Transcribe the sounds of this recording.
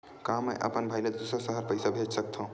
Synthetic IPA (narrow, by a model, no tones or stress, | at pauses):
kaməʔə̰pənbʱajled̪usəɾsəɦəɾpəjsabʱet͡ʃsək̚t̪ʰə̃ʊ̃